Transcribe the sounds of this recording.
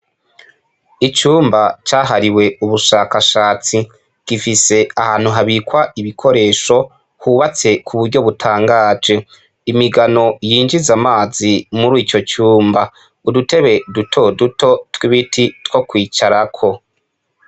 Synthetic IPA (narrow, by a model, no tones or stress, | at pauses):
it͡ʃuːmbat͡ʃaːɦaɾiwe̞uβuʃaːkaʃaːt͡si | ɡ̥ifise̞ahaːn̥huɦaβikwaiβikʰo̞ɾe̞ːʃo̞ | huːβat͡se̞kʰuβuɾɟo̞βutʰaːŋɡaːd͡ʒe̞ | imiɡano̞jiːnd͡ʒizamaːzimuɾiːt͡ʃo̞t͡ʃuːmba | udute̞βe̞dutʰo̞duto̞twiβitʰitwo̞kwiːt͡ʃaɾakʰo̞